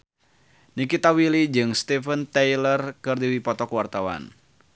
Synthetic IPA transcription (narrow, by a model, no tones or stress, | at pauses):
nikit̪awilid͡ʒɨŋst̪ifənt̪ɛjlərkɨrdiwipɔt̪ɔkwart̪awa̰n